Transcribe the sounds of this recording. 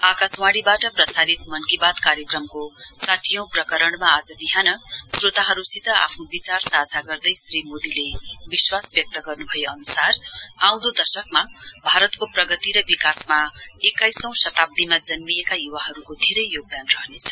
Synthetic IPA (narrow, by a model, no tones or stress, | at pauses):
akaswaɽibaʈʌprʌsaɾit̪mʌnkibad̪kaɾjʌkrʌmkosaʈʰijʌ̃w̃prʌkʌɾʌɽmaad͡zʌbiɦanʌsrot̪aɦʌɾusit̪ʌa̰pʰnobit͡sarsad͡zʱaɡʌrd̪ʌjsrimod̪ilebiswasbjʌk̚t̪ʌɡʌrnubʱʌjeʌnusaraw̃d̪od̪ʌsʌk̚mabʱaɾʌt̪koprʌɡʌt̪iɾʌbikasmaekajsʌ̃w̃sʌt̪ab̚d̪imad͡zʌnmijekajuwaɦʌɾukod̪ʱiɾʌjːoɡ̚d̪anrʌɦnet͡sʰʌ̥